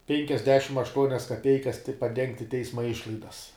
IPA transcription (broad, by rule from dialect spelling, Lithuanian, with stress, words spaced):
pʲɛŋʲkʲɛzʲˈdʲæːʃʲɪm ɐʃˈtuɔnʲɛs kɐˈpʲɛɪkɐs tʲɪ pɐˈdʲɛŋktʲɪ ˈtʲɛɪsmɐ ˈɪʃlˠɐɪdɐs